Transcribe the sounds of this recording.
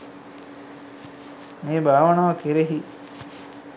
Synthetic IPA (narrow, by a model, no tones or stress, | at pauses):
meːbʱaːʋɐɳaʋɐkeɾeɦi